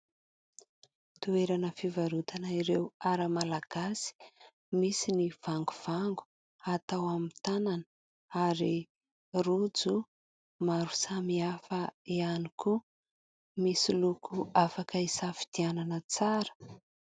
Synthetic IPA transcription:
t̪ueɾanəfivaɾut̪ʰanaiɾewaɾəmalaɡ̥asi̥ | misiniv̥aŋɡuv̥aŋɡu̥ | at̪awamit̪anan | aɾi | rud͡zu | maɾu̥samiafəianiku | misilukʰuafakəisafi̥d̪iananət͡saɾə̥

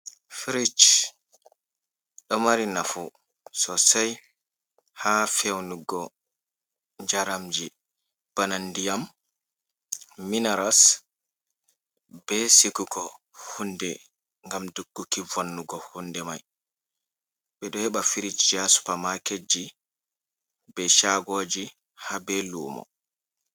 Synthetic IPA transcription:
fiɾit͡ʃ | ɗɔmaɾinafu | sɔsaj | hafewnuɡɔ | d͡ʒaɾamd͡ʒi | b̥anandijam | inaɾas | b̥ɛsikuɡɔ | hundɛ | ŋɡamduɡːukivonːuɡɔhundɛmaj | ɓɛɗɔhɛɓafiɾit͡ʃd͡ʒasu̥pamaked͡ʒːi | bɛʃaɡoːd͡ʒi | habɛluːmɔ̰

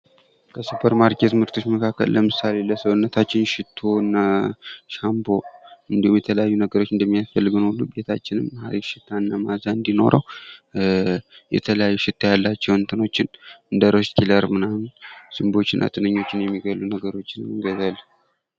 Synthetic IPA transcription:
kʰəsɨpʰəɾmaɾkʰe̞t̪mɨɾt̪ʰo̞t͡ʃːməkʰakːə̰lləmɨsale̞ləsəwɨnːət̪ʰat͡ʃːɪnʃɪt̪ʰːoɨnːaʃambo̞ɨnd̪ihumjɛt̪ʰələjajːunəɡəɾo̞t͡ʃːɨnd̪əmːijasfəlːɨɡɨnulːube̞t̪ʰat͡ʃːɪnɨmːəhaɾifʃɪt̪ʰːanːamazaɨnd̪ino̞̰ɾʔəw | jɛ̰t̪ʰələjajːuʃɪt̪ʰːajalːat͡ʃːɛwɨnt̪ʰɨno̞t͡ʃːɪnɨnd̪əɾoskʰiləɾmɨnamnsimbo̞t͡ʃːɪnʔa̰t̪ʼɨnəɲːo̞t͡ʃːɪnjɛmːiɡəlːunəɡəɾo̞t͡ʃːɪnɨmɨŋɡəzal

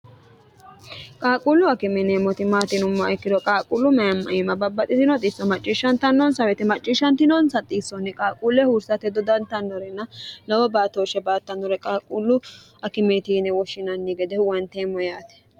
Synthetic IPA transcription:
kʼaːkʼulːʊɐkɪmɛneːmːɔt̪ɪmaːt̪ɪnʊmːɐɛkːɪd̪ɔkʼaːkʼʊlːʊmɐjɐmːɐ̰ʔɪmɐbɐbːɐt̪ʼɪt̪ɪnɔt̪ʼɪsːɔmɐt͡ʃʼːɪʃːɐnt̪ɐnːɔnsɐwɛt̪ɛmɐt͡ʃʼːɪʃːɐnt̪ɪnɔnsɐt̪ʼiːsːɔnːɛkʼaːkʼulːɛhuːɾsɐt̪ɛd̪ɔd̪ɐnt̪ɐnːɔɾɛnːɐlɐwɔbaːt̪oːʃɛbaːt̪ːɐnːɔɾɛkʼaːkʼulːʊ | ɐkɪmeːt̪inɛwɔʃɪnɐnːiɡɛd̪ɛwɐnt̪eːmːɔjaːt̪ɛ̥

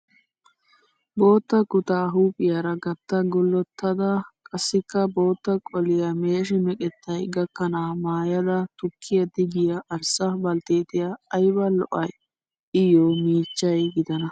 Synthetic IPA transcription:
bo̞ːt̪ːɐkʊt̪aːɦuːpʼɪjɐɾɐɡɐt̪ːɐɡɔlːɔt̪ʰːɐd̪ɐkʼɐsːɪkːɐbo̞ːt̪ːɐkʼɔlɪjɐmeːʃ̬ɪmɛkʼɛt̪ːɐjɡɐkːɐnaːmaːjɐd̪ɐt̪ʊkʰːɪjɐd̪ɪɡɪjɐʔɐɾsɐbɐlt̪eːt̪ɪjɐːjbɐlɔʔɐj | ɪjoːmiːt͡ʃːɐjɡɪd̪ɐnɐ

